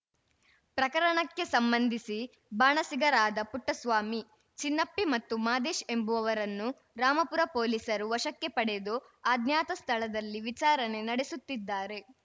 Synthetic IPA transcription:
pɾɐkɐɾɐɳɐkːe̞sɐmbɐnd̪ʱisi | baːɳɐsiɡɐɾaːd̪ɐpuʈːɐsʋaːmi | t͡ʃinːɐpːimɐt̪ːumaːd̪eːʃe̞mbuʋɐʋɐɾɐnːu | ɾaːmɐpuɾɐpo̞ːlisɐɾuʋɐʃɐkːe̞pɐɽed̪o | aːd̪njaːt̪ɐst̪ʰɐɭɐd̪ɐlːiʋit͡ʃaːɾɐne̞nɐɽesut̪ːid̪ːaːɾe̞

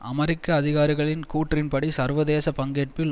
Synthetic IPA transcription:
ʔɐmɐɾɪkːɐːðɪɣaːɾɪɣɐɭɪnkuːʈrɪnpɐɽisɐɾʋɐðeːsɐpɐŋɡeːʈ̚pɪl

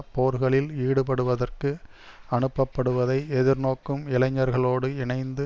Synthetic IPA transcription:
poːɾɣɐɭɪliːɽɯpɐɽɯʋɐðɐrkɯ | ɐɳɯpːɐpːɐɽɯʋɐðɐɪɛðɪɾnoːkːɯmɪlɐɲːɐɾɣɐɭoːɽɯɪɳɐɪnd̪ɯ

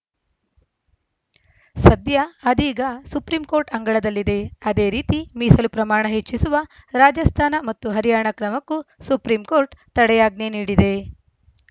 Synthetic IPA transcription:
sɐd̪jɐːd̪iːɡɐsupɾiːmkoːɾʈɐŋɡɐɭɐd̪ɐlːid̪e̞ɐd̪e̞ːɾiːt̪imiːsɐlupɾɐmaːɳɐɦet͡ʃːisuʋɐ | ɾaːd͡ʒɐst̪ʰaːnɐmɐt̪ːuɦɐɾijaːɳɐkɾɐmɐkːusupɾiːmko̞ːɾʈt̪ɐɽɛjaːɡ̚neniːɽid̪e̞

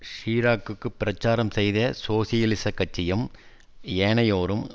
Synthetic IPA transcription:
ʂiːɾaːkːɯkːɯpːɪɾɐt͡ʃːaːɾɐmsɛjðɐsoːsɪjɐlɪsɐkːɐt͡ʃːɪjɐm | eːɳɐjoːɾɯm

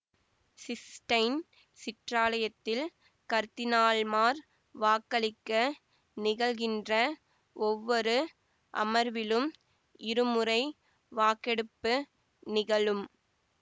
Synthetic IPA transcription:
sɪsʈɐɪn | sɪʈraːlɐjɐt̪ːɪl | kɐɾt̪ɪnaːɭmaːɾ | ʋaːkːɐɭɪkːɐ | nɪɣɐɭɣɪndrɐ | ɔʋːɔɾɯ | ʔɐ̰mɐɾʋɪlɯm | ɪɾɯmɯɾɐɪ | ʋaːkɛɽɯpːɯ | nɪɣɐɭɯm

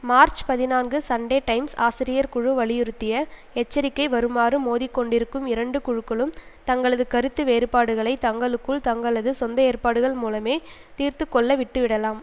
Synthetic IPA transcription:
maːɾt͡ʃpɐðɪnaːnɡɯsɐɳɖeːʈɐɪmsaːsɪɾɪjɐɾkʊɻɯʋɐɭɪjɪɾɯt̪ːɪjɐ | ɛt͡ʃːɐɾɪkːɐɪʋɐɾɯmaːrɯmoːðɪkːɔɳɖɪɾɯkːɯmɪɾɐɳɖɯkʊɻɯkːɐɭɯmt̪ɐŋɡɐɭɐðɯkɐɾɯt̪ːɯʋeːɾɯpːaːɽɯɣɐɭɐɪt̪ɐŋɡɐɭɯkːɯɭt̪ɐŋɡɐɭɐðɯsɔnd̪ɐeːrpaːɽɯɣɐɭmuːlɐmeː | t̪iːrt̪ɯkːɔɭːɐʋɪʈːɯʋɪɽɐlaːm

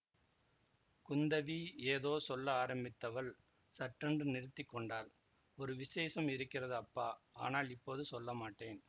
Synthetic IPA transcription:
kʊnd̪ɐʋieːðoːsɔlːɐaːɾɐmbɪt̪ːɐʋɐl | sɐʈrɐɳɖrɯnɪɾɯt̪ːɪkːɔɳɖaːl | ɔɾɯʋɪseːsɐmɪɾɯkːɪrɐðɯɐpːaːa̰ːnaːlɪpːoːðɯsɔlːɐmaːʈːeːn

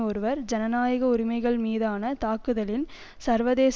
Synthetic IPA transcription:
ɔɾɯʋɐɾd͡ʒɛnɐnaːjɐɣɐʊɾɪmɐɪɣɐɭmiːðaːnɐt̪aːkɯðɐlɪn | sɐɾʋɐðeːs

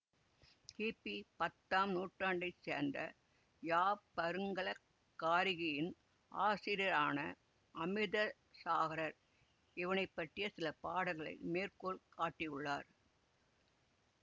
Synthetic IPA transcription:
kiːpːipɐt̪ːaːmnuːʈraːɳɖɐɪsḛːɾnd̪ɐ | jaːpɐɾɯŋɡɐɭɐː | aːɾɪɣɐjɪn | ʔa̰ːsɪɾɪjɐɾaːnɐ | ʔɐmɪðɐ | saːɣɐɾɐɾ | ɪʋɐnɐɪpːɐʈːɪjɐsɪlɐpaːɽɐɣɐɭɐ̰ɪmeːɾkoːɭkaːʈːɪjɯɭːaːɾ

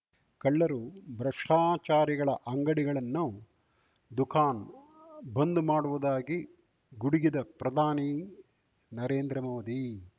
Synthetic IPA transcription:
kɐɭːɐɾubɾɐʂʈʰaːt͡ʃaːɾiɡɐɭɐʔɐŋɡɐɽiɡɐɭɐnːu | d̪ukʰaːn | bɐnd̪umaːɽuʋud̪aːɡi | ɡuɽiɡid̪ɐpɾɐd̪ʱaːni | nɐɾeːnd̪ɾɐmoːd̪i

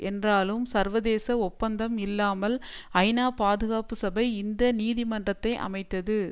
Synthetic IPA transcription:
ɛndraːlɯmsɐɾʋɐðeːsɐɔpːɐnd̪ɐmɪlːaːmɐlɐɪnaːpaːðɯɣaːpɯsɐbɐɪɪnd̪ɐniːðimɐndrɐt̪ːɐɪʔɐ̰mɐɪt̪ːɐðɯ

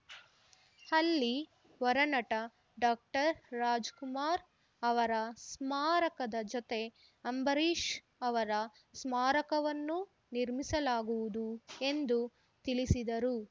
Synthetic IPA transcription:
ɐlːi | ʋɐɾɐnɐʈɐ | ɖaːk̚ʈɐɾːaːd͡ʒkumaːɾ | ɐʋɐɾɐsmaːɾɐkɐd̪ɐd͡ʒot̪e̞ | ɐmbɐɾiːʂ | ɐʋɐɾɐ | smaːɾɐkɐʋɐnːu | niɾmisɐlaːɡuʋud̪ue̞nd̪u | t̪ilisid̪ɐɾu

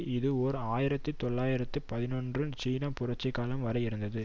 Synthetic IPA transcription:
ɪðɯɔɾɯaːjɪɾɐt̪ːɯt̪ɔɭːaːjɪɾɐt̪ːɯpɐðɪnɔndrɯnt͡ʃiːnɐpʊrɐʈ̚t͡ʃːɛɪkːaːlɐmʋɐɾɐjɪɾɯnd̪ɐðɯ

